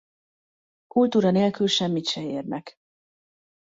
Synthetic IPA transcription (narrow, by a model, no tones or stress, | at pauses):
kult̪uːɾɒneːlkylʃɛmːit̪ʃɛeːrnʔɛk